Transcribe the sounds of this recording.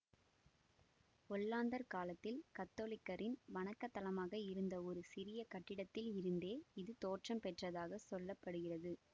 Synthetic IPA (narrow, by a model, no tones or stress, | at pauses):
ɔlːaːnd̪ɐɾkaːlɐt̪ːɪlkɐt̪ːoːlɪkːɐɾɪnʋɐnɐkːɐt̪ːɐlɐmaːɣɐɪɾɯnd̪ɐɔɾɯsɪɾɪjɐkɐʈːɪɽɐt̪ːɪlɪɾɯnd̪eːɪðɯt̪oːʈrɐmpɛʈrɐðaːɣɐsɔlːɐpːɐɽɯɣɪrɐðɯ